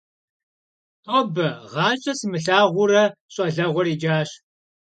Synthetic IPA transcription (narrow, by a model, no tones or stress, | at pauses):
tʼɔbɐʁɑːt͡ʃʼɐsmɨɬaːʁʷʊrɐɕʼɐɮɐʁʷɔriːd͡ʒaːɕ